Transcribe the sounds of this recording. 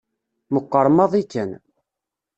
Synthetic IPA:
məqːəɾˤmɑðˤikːən

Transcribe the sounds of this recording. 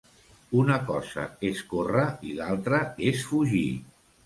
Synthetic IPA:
unəkɔzə̰eskorəilalˠt̪ɾəesfuʒḭ

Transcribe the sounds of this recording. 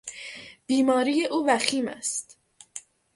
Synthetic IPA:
b̥iːmɒːɾiːje̞ʔuːvæxiːmæ̰st̪

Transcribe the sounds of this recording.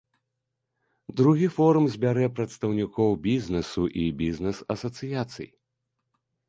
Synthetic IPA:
d̪ɾuɣʲifɔɾumzʲbʲaɾɛpɾɐt̪st̪ɐwnʲikɔwbʲizʲnɛsuʔibʲiznɛsɐsɐt̪sɨjat̪sɨ̰j

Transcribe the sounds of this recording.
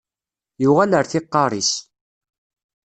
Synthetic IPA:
jʊʁæləɾθɪqːɑɾˤis

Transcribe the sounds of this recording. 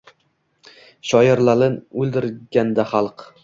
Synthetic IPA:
ʃɒjɪɾlalɪnɵlˠd̪ɪɾɡʲand̪aχɑlˠq

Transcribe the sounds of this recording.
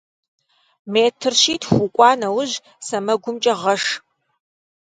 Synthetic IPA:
meːtʰɨrʃiːtʰxʷʊkʷʼɑːnɐwʊʑ | sɐmɐɡʷʊmt͡ʃʼɐʁɐʂ

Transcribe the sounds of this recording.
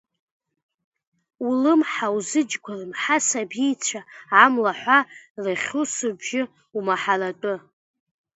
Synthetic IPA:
ulɨmħawzɨd͡ʒɡʷʰarɨmħasabijt͡sʷʰaamlaħʷarɨχʲusɨbʒɪ | umaħaratʼɨ

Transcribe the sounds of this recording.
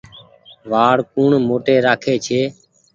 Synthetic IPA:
ʋaːɽkuːɳmoːʈeːɾaːkʰeːt͡ʃʰeː

